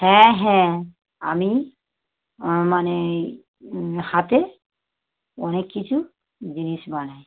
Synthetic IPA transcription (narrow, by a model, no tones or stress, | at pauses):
hɛ̃ɦɛ̃ | a̰mi | mane | hat̪e | ɔnekːit͡ɕʰu | d͡ʑiniʃbanaj